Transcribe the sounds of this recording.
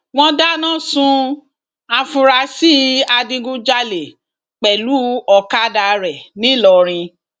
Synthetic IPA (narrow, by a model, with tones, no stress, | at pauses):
w̃ɔ̃˧da˦nã˦˨sũ˧ | a˧fũ˧ɾa˧si˦a˧dĩ˧ɡu˦d͡ʒa˧le˨ | k͡pɛ˨lu˨˦ɔ˧ka˦da˧ɾɛ˨nĩ˨˦lɔ˧˨ɾ̃ĩ˧